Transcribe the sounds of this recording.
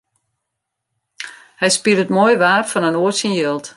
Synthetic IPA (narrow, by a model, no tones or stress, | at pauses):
hɛjspiəɾətmojʋaːrfɔnənoətsənjølˠt